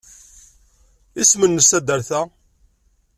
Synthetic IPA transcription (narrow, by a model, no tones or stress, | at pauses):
ismənːəsæd̪əɾθæ